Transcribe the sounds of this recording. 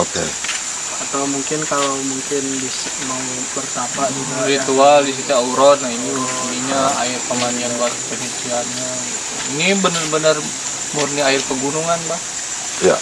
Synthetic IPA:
okḛ | at̪awmuŋkɪnkalamuŋkɪnbisama | pərt̪apauaɾit̪ualdis̬it̪uauɾɔt̪̚nainit̪ədiɲaa̰ɪrpəmanianwarpət͡ʃət͡ʃianɲa | inibənərbənər | murniaɪrpəɡunuŋanbah | ja̰

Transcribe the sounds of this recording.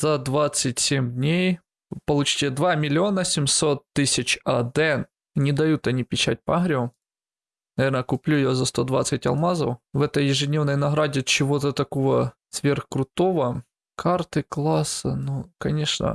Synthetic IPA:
z̥ɐd̪vat̪sɨtʲsʲemʲdʲnʲej | pɐlˠut͡ɕi̥tʲɪd̪vamʲɪlʲɪo̞nɐsʲɪmsot̪ːɨsʲɪt͡ɕɐd̪ɛn | nʲɪd̪ɐjut̪ɐnʲipʲɪt͡ɕat̚ʲpɐaɦɾʲɪʊm | nɐvʲe̞rɾnəkʊplʲuɪjozɐst̪o̞d̪va̰t̪sɨtʲɐ̰lˠmazɐ̰wvɛt̪əjːɪʐɨdʲnʲevnəjnɐɣɾadʲɪt͡ɕɪʋo̞t̪ət̪ɐkovəsʋʲerxkɾʊt̪oʋə | kʰart̪ɨklˠasːɐ̰nukɐnʲeʂnə̰

